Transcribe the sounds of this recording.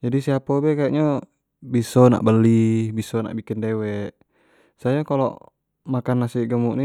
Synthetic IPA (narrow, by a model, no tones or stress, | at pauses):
d͡ʒadisiapobɛkaʔɲɔ | bisɔna̰ʔbəlːibisɔna̰ʔbikindɛwɛʔ | sajakalɔ̰ | makanːasiɡəmuʔni